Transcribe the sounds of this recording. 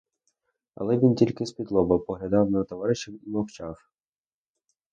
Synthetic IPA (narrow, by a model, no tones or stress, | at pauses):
ɐ̰lˠɛʋʲintʲilʲkɪspʲid̪lˠɔbɐpɔɦlʲɐd̪ɑwnɐt̪ɔʋɑɾɪʃewimɔwt͡ʃɑw